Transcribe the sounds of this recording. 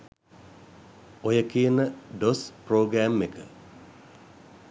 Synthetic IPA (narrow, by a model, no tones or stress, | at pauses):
ojəkijənəɖosproːɡɾæːmːekə